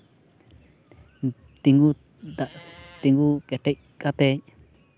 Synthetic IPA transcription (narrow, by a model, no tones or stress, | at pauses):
t̪iŋɡu | d̪at̪iŋɡukeʈeʔ | kat̪eɲ